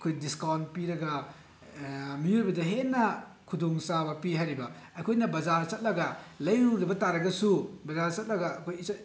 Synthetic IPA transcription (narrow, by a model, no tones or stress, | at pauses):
ɐkʰojdiskawn̚piɾɐɡɐ | mijuɾbɐdɐɦenːɐ | kʰudoŋsabɐpiɦaɾibɐ | ɐjkʰojnɐbɐzaɾt͡ʃɐt̚lɐɡɐlɐjuɾibɐtaɾɐɡɐsubɐzaɾt͡ʃɐt̚lɐɡɐːkʰojs